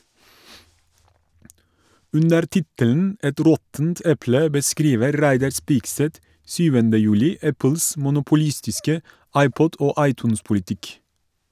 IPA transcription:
ˈʉndəɾ ˈtɪtəln̩ ˈɛt ˈɾɔtn̩t ˈɛplə bəˈskɾiːʋəɾ ˈɾæɪdɑɾ ˈspiːkˌsɛt ˈsyːʋəndə ˈjʉːlɪ ˈæpəls mʊnʊpʊˈliːstɪskə ˈɑɪˌpɔd ˈoː ˈɑɪˌtʉːnspʊlɪˌtɪk

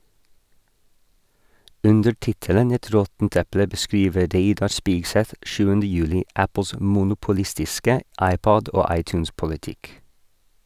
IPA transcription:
ˈʔʉndə ˈʈɪtələn ˈɛt ˈɾɔtn̩t ˈɛplə bəˈskɾiːʋə ˈɾeɪdɑɾ ˈspiːɡˌsɛt ˈʃʉːəndə ˈjʉːlɪ ˈæpəs mʊnʊpʊˈlɪstɪskə ˈɑɪˌpɔd ˈoː ˈɑɪˌtjʉːnspʊlɪˌtɪk

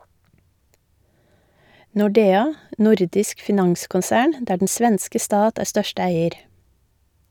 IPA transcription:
nʊˈɖeːɑ ˈnʊɾdɪsk fɪˈnɑŋskʊnˌsæːɳ ˈdæː ɖɳ̩ ˈsʋɛnskə ˈstɑːt ˈæːɾ ˈstœʃtə ˈæɪəɾ

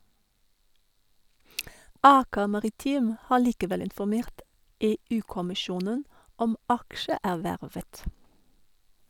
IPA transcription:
ˈɑːkə mɑʁɪˈtiːm ˈhɑː ɭiːkəˈʋɛl ɪnfɔˈmeːʈ ˈeːˌʉː kɔmɪˈʃjuːnən ˈɔm ˈɑkʃəˌæːʋæɹʋət

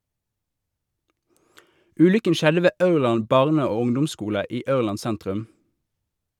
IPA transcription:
ˈʉːlʏkən ˈʃɛdə ˈʋeː ˈʔɑʉʁˌlɑn ˈbɑʁnə ˈoː ˈʊŋdʊmˌskuːlə ˈiː ˈɑʉʁˌlɑn ˈsæntʁʉm

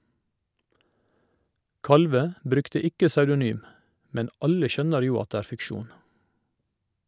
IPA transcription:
ˈkɑlʋə ˈbɾʉktə ˈɪkə sɑʉdʊˈnyːm ˈmɛn ˈɑlə ˈʃœnəɾ ˈjuː ˈɑt ˈdeː ˈæːɾ fɪkˈʃuːn

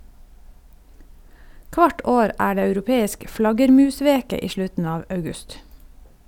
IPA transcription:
ˈkʋɑʈ ˈoːɾ ˈæː ˈɖeː ɑʉɾʊˈpeːɪsk ˈflɑɡəɾˌmʉːˌsʋeːkə ˈiː ˈʃlʉtn̩ ˈɑːʋ ɑʉˈɡʉst

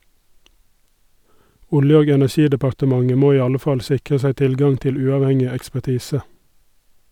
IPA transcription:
ˈʊljə ˈoːɡ ɛnæˈʃiːdəpɑɾtəˌmɑŋə ˈmoː ˈiː ˈɑlə ˈfɑl ˈsɪkʁə ˈsæɪ ˈtɪlˌɡɑŋ ˈtɪl ˈʉːɑʋˌhɛŋɪ ɛkspæˈtiːsə

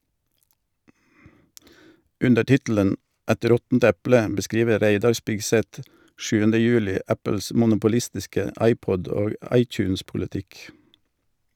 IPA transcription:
ˈʉndə ˈtɪtl̩ən ˈɛt ˈɾɔtn̩t ˈɛplə bəˈskɾiːʋə ˈɾæɪdɑɾ ˈspɪɡˌsɛt ˈʃʉːəndə ˈjʉːlɪ ˈæpəls mʊnʊpʊˈlɪstɪskə ˈɑɪˌpɔd ˈoː ˈɑɪˌtjʉːnspʊlɪˌtɪk

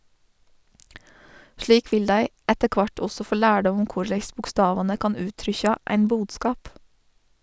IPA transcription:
ˈʃliːk ˈʋɪl ˈdæɪ ˈɛtə ˈkʋɑʈ ˈɔsɔ ˈfoː ˈlæːɖɔm ˈʊm ˈkʊɾlæɪs bʊkˈstɑːʋɑnə ˈkɑːn ˈʉːtɾʏçɑ ˈæɪn ˈbuːdˌskɑːp

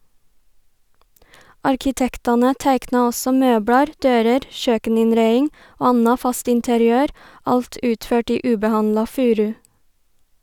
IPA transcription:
ɑɾkɪˈtɛktɑnə ˈtæɪknɑ ˈɔsɔ ˈmøːbɽɑɾ ˈdøːɾəɾ ˈʃøːkənɪnˌɾæɪɪŋ ˈoː ˈɑnɑ ˈfɑst ɪntəɾɪˈøːɾ ˈɑlt ˈʉːtˌføːʈ ˈiː ˈʉːbəˌhɑnlɑ ˈfʉːɾʉ

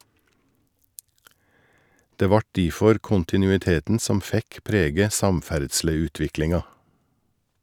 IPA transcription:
ˈdeː ˈʋɑʈ ˈdiːfɔɾ ˌkʊntɪˌnʉːɪˈteːtn̩ ˈsɔm ˈfɛk ˈpɾeːɡə ˈsɑmˌfæɖʃləˌʉːtʋɪklɪŋɑ

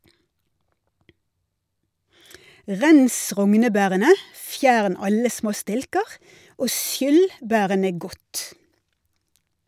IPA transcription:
ˈʁɛns ˈʁɔŋnəˌbæːʁənə ˈfjæːɳ ˈɑlə ˈsmoː ˈstɪlkəʁ ˈoː ˈʃjʏl ˈbæːʁənə ˈɡɔt

